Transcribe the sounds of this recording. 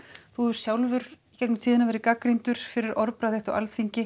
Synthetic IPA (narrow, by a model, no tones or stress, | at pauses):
θuʏɾ̥sjawlvʏɾ̥icɛknʏmsiːðɪnavɛɾɪkakɾijnt̪ʏɾ̥fɪɾɪɾʔɔɾpɾaðɪht̪ɔ̰ʔa̰lθiɲcɪ